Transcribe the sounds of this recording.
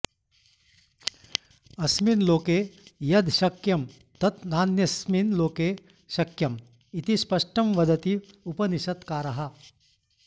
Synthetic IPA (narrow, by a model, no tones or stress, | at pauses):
ɐsminloːkeːjɐd̪ʱʃɐkjɐm | t̪ɐt̪naːnjɐsminloːkeː | ʃɐkjɐm | it̪ispɐʂʈɐmʋɐd̪ʱɐt̪i | upɐniʃɐt̪kaːɾɐɦɐ